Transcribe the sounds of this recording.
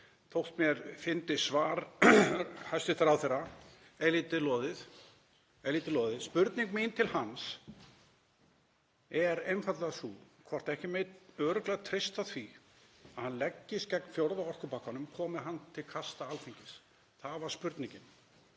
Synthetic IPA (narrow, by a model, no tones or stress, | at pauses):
t̪ʰowht̪mjɛɾfɪnt̪ɪsvaːɾ | hajst̪ɪht̪aɾawθɛrːa | eliːt̪ɪlɔðɪð | ɛliːt̪ɪlɔːðɪðspʏɾt̪niŋkmint̪ʰɪlhans | ɛɾejnfat̪lasukʰvɔr̥t̪ɛhcɪmeœːɾʏklat̪ʰɾɪjst̪aθvi | aðhanlɛcːɪscɛknfjowɾðaɔr̥kʏpahkanːʏmkʰɔːmɪɦanːt̪ʰɪlkʰast̪aalθiɲcɪs | θaðvaɾ̥spʏɾt̪niɲcɪn